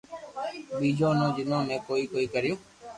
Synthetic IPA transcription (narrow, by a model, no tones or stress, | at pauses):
ɓiːd͡ʒʱõːnõːd͡ʒɪnãːmẽːkoːiːkoːiːkəɾɪjõː